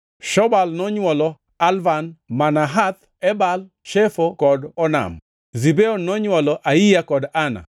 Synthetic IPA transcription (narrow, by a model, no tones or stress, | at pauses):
ʃɔbalnɔɲwɔlɔ | alvanmanaɦat̪ | ɛbal | ʃefokɔdɔna̰m | zibeonɔɲwɔlɔʔaijakɔdana̰